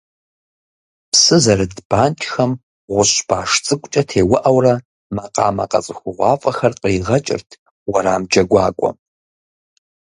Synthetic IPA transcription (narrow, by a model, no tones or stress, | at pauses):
psɨzɐrɨdb̥aːntʰxɐm | ʁʷʊɕb̥ʰaːʂt͡sʼɨkʷʼt͡ʃʼɐtʰeːwʊʔɐwrɐ | mɐqɑːmɐqʼɐ̰t͡sʼɨxʷʊʁʷɑːfʼɐxɐrqiːʁɐt͡ʃʼɪ̰rtʰ | wɐɾaːmd͡ʒɐɡʷɑːkʷʼɔ̰